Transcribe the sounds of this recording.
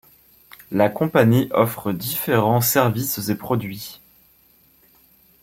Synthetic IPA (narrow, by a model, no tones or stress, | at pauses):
lakɔ̃paniʔɔfχəd̪ifeʁɑ̃sɛʁviszepχɔd̪ɥi